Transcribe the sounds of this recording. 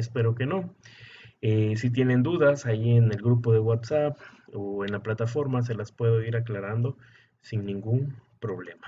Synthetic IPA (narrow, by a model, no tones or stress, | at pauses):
espe̞ɾo̞ke̞no̞ | esit̪̬je̞ne̞nd̪uðasaʝie̞ne̞lɡɾupo̞ðe̞ɣwat̪sapoe̞nlaplat̪afo̞ɾmas̬e̞laspwe̞ðo̞iɾaklaɾand̪o̞ | sinnĩŋɡumpɾo̞βle̞̰mḁ